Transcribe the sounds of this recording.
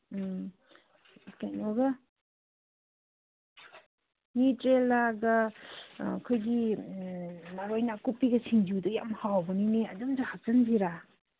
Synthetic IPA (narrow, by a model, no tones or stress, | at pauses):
kajnɔɡa | nitɾelaɡa | kʰojɡi | maɾojnakupːiɡɐsʰiŋd͡ʒiwduja̰mhawabɐnineadumd͡ʒahak̚zanbiɾa